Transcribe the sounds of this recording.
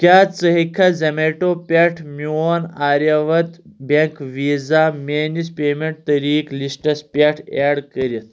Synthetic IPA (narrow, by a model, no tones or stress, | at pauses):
kjat͡səɦikʰad͡zɐmeʈopʲɛʈʰmuonaɾjaʋət̪beŋkʋid͡zamenispemeɳʈ̚t̪əɾiːklisʈəspʲɛʈʰɛɽkəɾit̪